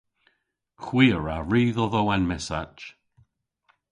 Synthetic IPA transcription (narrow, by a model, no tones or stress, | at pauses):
kʰwiːəɹaɹiːðɔðowanmɛsat͡ʃ